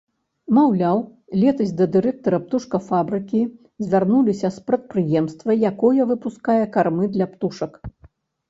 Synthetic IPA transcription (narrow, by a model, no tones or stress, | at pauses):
mawlʲaw | lʲɛt̪ɐzʲd̪ɐd̪ɨɾɛk̚t̪ɐɾɐp̚t̪uʂkɐfabɾɨkʲi | zʲvʲarnulʲisʲɐspɾɐt̪̚pɾɨjɛmst̪vɐjakɔjɐvɨpuskajɛkarmɨd̪lʲɐpt̪uʂɐk